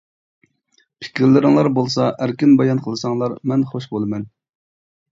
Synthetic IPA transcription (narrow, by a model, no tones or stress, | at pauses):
pʰɪ̥kʲʰɾlɪɾɪŋlˠɑɾbolˠsɑʔæɾkʲinbɑjɑnqʰəlˠɨsɑŋlˠɑɾmɛnχoʃbolˠɨmɛn